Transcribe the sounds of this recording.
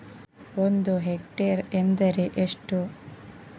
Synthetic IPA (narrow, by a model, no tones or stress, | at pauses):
ond̪uɦekʈeɾend̪ɐɾeʔeʂʈu